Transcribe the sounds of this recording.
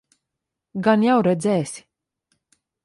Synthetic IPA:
ɡanjawɾɛd̪zʲɛːsi̥

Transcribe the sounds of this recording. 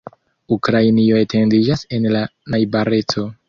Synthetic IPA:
ukɾajnio̞e̞tʰe̞ndid͡ʒase̞nlanajbaɾe̞t͡so̞

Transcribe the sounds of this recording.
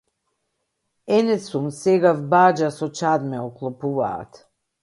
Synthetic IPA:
ɛnɛsumsɛɡavbad͡ʒasɔt͡ʃad̪mɛɔklˠɔpuva̰ːt̪

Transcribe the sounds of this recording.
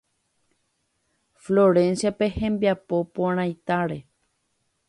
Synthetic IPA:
floɾẽ̞nsjape̞hẽ̞mbjapo̞poɾ̃ãjt̪aɾe̞

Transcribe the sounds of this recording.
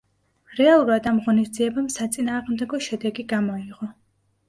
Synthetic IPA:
ɾɛalˠuɾad̪amʁɔnisd̪ziɛbamsat̪sʼinaːʁmd̪ɛɡɔʃɛd̪ɛɡiɡamɔiʁɔ

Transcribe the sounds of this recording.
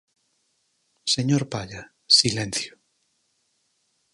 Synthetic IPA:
seɲoɾpaʎa | silẽn̟θjo̥

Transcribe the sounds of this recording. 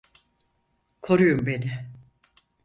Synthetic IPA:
kʰo̞ɾujumbe̞nɪ

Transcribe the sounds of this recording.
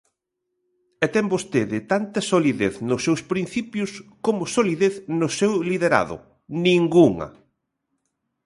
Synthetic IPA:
ɛt̪ɛmbost̪eðɪt̪ant̪ɐsoliðeθnʊsːewspɾin̟θipjʊskomʊsoliðeθnʊsewliðeɾa̰ðʊ̰ | nĩŋɡuŋɐ̰

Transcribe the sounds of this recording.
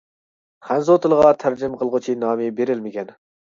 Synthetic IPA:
χænzot̪ʰɨlˠəʁɑt̪ʰæɾd͡ʒɪmqʰəlˠʁʊt͡ʃʰinɑːmɪbeɾɪlmɪkʲʰɛn

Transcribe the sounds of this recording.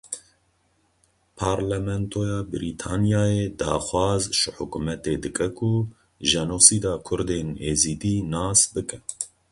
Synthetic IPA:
pʰɑːɾlɛmɛnt̪ʰojɑːbɨɾiːt̪ʰaːnjɑːjeːd̪ɑ̰ːxʷwɑːzʒɨħʊkumɛt̪eːd̪ɨkʼɛkʰu | ʒɛnusiːd̪ɑːkʰʊɾd̪eneːziːd̪iːnɑːsbɨkʼɛ

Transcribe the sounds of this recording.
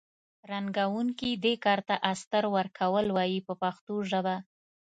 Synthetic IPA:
ɾaŋɡawuŋkid̪ekɑɾt̪aʔast̪əɾwəɾkʰawəlwɑjipəpaxt̪oʒəba

